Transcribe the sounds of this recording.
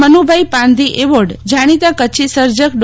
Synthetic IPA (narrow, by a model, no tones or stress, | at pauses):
mənubʱaipãnd̪iʔeʋoɖd͡ʒaɽ̃it̪ãkət͡ʃʰisəɾd͡ʒək̚ɖ